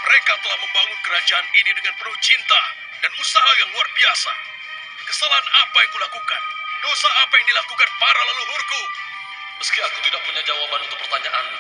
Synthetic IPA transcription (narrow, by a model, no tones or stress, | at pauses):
məɾekat̪əlahməmbaŋʊnkəɾad͡ʒaːninidəŋanpərlut͡ʃint̪a | danmusaɦajaŋluarbiasa̰ | kəsalaɦanapajaŋkulakukandosaːpajaŋdilakukanpaɾalaluɾurku | məskiakut̪idaʔ̚puɲad͡ʒawabanunt̪ʊk̚pərt̪aɲaʔan